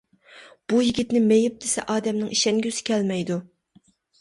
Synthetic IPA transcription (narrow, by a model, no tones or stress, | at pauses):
b̥ujiɡʲit̪nɪmejɪp̚d̪̥ɪsɛʔɑːd̪ɛmnɪŋiʃɛŋɡʲysɪ̥kʲʰɛlmɛjd̪u